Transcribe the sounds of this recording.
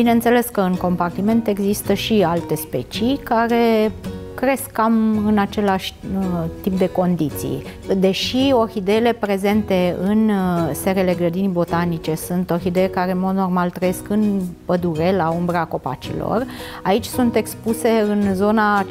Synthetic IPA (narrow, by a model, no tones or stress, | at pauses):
b̥inent̪se̞le̞skəɨŋko̞mpart̪ime̞nt̪e̞ɡzist̪əʃialt̪e̞spe̞t͡ʃikaɾe̞kɾe̞skːamɨnat͡ʃe̞laʃʲt̪ip̚d̪e̞ko̞nd̪it̪sḭj | d̪e̞ʃio̞hid̪e̞le̞pɾe̞ze̞nt̪e̞ɨnse̞ɾele̞ɡɾəd̪inibo̞t̪anit͡ʃe̞sunt̪o̞xid̪e̞jekaɾe̞nmo̞d̪no̞rmalt̪ɾəje̞skɨnpəd̪uɾe̞laumbɾəako̞pa̰t͡ʃḭlo̰r | ait͡ʃʲsunt̪e̞kspuse̞ɨnzo̞na